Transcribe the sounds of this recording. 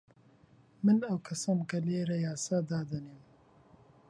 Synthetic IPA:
mɨnɐwkʰɐsɐmkɐleːɾɐjaːsaːd̪aːd̪ɐnem

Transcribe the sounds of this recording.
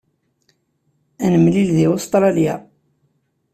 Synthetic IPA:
ænəmlilðiost̪ˤɾˤɑlja̰

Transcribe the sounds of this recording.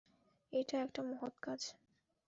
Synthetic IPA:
eʈaɛk̚ʈamɔɦot̪kad͡ʑ

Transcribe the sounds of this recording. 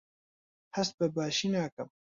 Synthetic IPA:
hɐs̚bɐbaːʃinaːkɐm

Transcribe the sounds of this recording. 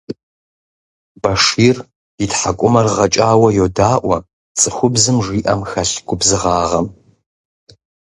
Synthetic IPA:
bɐʂiːr | itħakʷʼʊmɐrʁɐt͡ʃʼaːwɐjodaːʔʷɐ | t͡sʼɨxʷʊbzɨmʐiːʔɐmxɐɬɡʷʊbzɨʁɑːʁɐm

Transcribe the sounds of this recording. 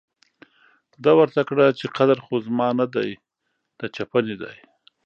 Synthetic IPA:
d̪ɑwəɾt̪akɽat͡ʃeqad̪aɾxozmɑnad̪aj | d̪̥at͡ʃapəned̪a̰j

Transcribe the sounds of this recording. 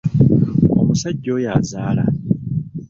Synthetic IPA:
o̰musaɟːo̞ːjaːzaːla̰

